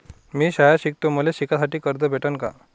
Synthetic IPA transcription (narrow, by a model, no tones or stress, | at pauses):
miːɕajaɕik̚t̪um̤uleɕikasaʈiːkəɾd̪əbʱeʈənka̰